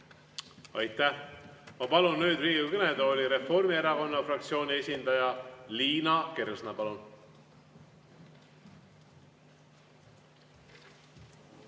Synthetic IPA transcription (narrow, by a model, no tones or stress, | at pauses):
ɑjt̪ːæhmɑpɑlunːyːd̪riːɡikøned̪oolʲiɾe̞fo̞rmie̞ɾɑko̞nːɑfrɑk̚t̪sio̞ːnʲie̞sʲind̪ɑjɑliːnɑkeɾsnɑpɑlun